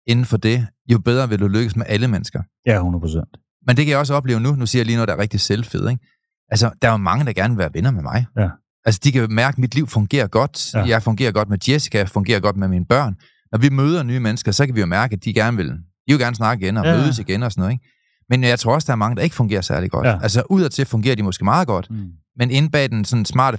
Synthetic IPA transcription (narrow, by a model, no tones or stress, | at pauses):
e̝nn̩fɒ̽d̥e̝ | jo̝b̥eð̞ˠʁɐʋeld̥uløɡ̥əsmeʔæləmenəsɡ̥ɐ | hunˠpʰosen̰d̥ | mend̥e̝kʰæjɑɒ̽s̬əɒ̽b̥lḛːʊnunusḭɐjaliːnoðˠd̥ɑɐʁeɡ̚d̥i̥selfḛð̞̰ˠeɡ̥ | ʔælsəd̥ɑ̈æmɑ̈ŋəd̥ɑ̈ɡ̥æɐnʋelʋæɐʋenɐmemɑ̈ɪ | ælsə̥d̥ikʰæmæɐɡ̥əmid̥liʊ̰fɔ̽ŋɡ̥e̝̰ːɐɡ̥ɒ̽d̥jɑ̈ɪfɔ̽ŋɡe̝̰ːɐɡ̥ɒ̽d̥med̥jesi̥kʰæjfɔ̽ŋɡe̝̰ːɐɡ̥ɒ̽d̥̚meminəb̥ɶɐ̰n | nɒʋimøːð̞ˠɐnyːmenəsɡ̥ɐsɒ̽kʰæʋijo̝mæɐɡ̥əæd̥iɡ̥æɐnʋe̝ld̥ijo̝ɡ̥æɐnəsnɑ̈ɡ̥əiɡenɒmøːð̞̩ˠəsiɡ̥enɒsɒ̽nɔ̽ð̩ˠeɡ̥ | menjɑ̈ɪt͡sʰʁo̝ɐɒsd̥ɑ̈æɐmɑ̈ŋəd̥ɑe̝ɡ̥fɔ̽ŋɡe̝̰ːɐsæɐliɡ̥ɒ̽d̥ʔæls̬əʔuð̰ˠɒt͡sʰe̝fɔ̽ŋɡ̥e̝ːɐd̥imɒ̽sɡ̥e̝ːmɑ̈ːðˠɡ̥ɒ̽d̥ | mene̝n̩b̥ɛ̰ːd̥ensɒ̽nsmɑ̰̈ːd̥ə